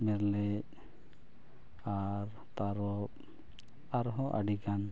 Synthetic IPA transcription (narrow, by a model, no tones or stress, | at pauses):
mɛɾlɛ | aɾ | t̪aɾɔ | aɾɦɔ̃ʔa̰ɖiɡan